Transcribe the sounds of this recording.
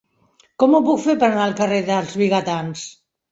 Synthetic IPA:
kɔmupukfepəɾanaəlˠkəreðəlˠzβiɣət̪ans

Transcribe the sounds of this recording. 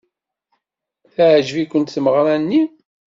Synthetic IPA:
θæʕʒvikʷːənt̪θəməʁɾænːi

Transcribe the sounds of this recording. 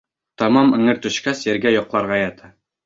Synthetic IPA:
t̪ɒmɑmɘ̆ŋɘɾt̪ɵ̆ɕkæsjɘ̆ɾɡæjɒqlˠɑɾʁɑjæt̪ʰæ

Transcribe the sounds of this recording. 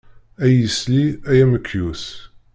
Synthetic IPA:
æjəsliæjæməkʰːjus

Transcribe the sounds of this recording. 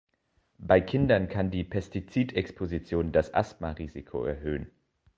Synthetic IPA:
b̥aɪkʰɪndɐnkʰandiːpʰɛstit͡siːtɛkspʰozit͡sjoːndasʔa̰stmaʁiːzikʰo̰ɛ̰ɐɦøːən

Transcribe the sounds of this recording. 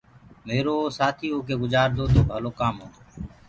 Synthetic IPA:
meːɾoːsaːt̪ʰiːoːkeːɡʊzaːɾd̪ʱoːt̪ʰoːbʱəloːkaːmɦoː

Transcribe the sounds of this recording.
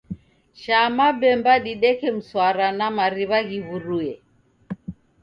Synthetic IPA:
ʃamabɛmbaɗiɗɛkɛm̩swaɾanamaɾiβaɣiβuɾuɛ

